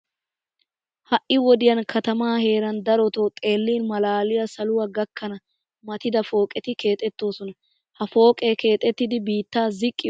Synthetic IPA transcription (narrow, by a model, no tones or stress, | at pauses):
hɐʔɪwɔd̪ɪjɐnkɐt̪ɐmaːhe̞ːɾɐnd̪ɐɾɔt̪oːt̪ʼe̞ːlːiːnmɐlaːlɪjɐsɐlʊwaɡɐkʰːɐnɐ | mɐt̪ɪd̪ɐfo̞ːkʼɛt̪ɪke̞ːt̪ʼɛt̪ːo̞ːsɔnɐ | hɐfo̞ːkʼeːke̞ːt̪ʼːɛt̪ːɪd̪ɪbiːt̪ːaːzɪkʼːɪ